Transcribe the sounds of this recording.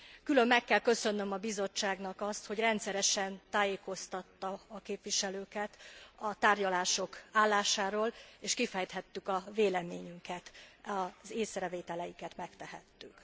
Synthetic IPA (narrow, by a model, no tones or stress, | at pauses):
kylø̞mːɛkːɛlkø̞sø̞nːø̞mɒbizo̞t͡ʃːaːɡnɒkɒst̪ho̞ɟrɛnt̪sɛɾɛʃɛnt̪aːjeːko̞st̪ɒt̪ːɒːkeːpʋiʃɛløːkɛt̪ɒt̪aːrɟɒlaːʃo̞kaːlːaːʃaːɾoːleːʃkifɛjt̪hɛt̪ːykɒveːlɛmeːɲyŋkɛt̪ɒzeːsrɛveːt̪ɛlɛjikɛt̪mɛkt̪ɛɦɛ̰t̪ːyk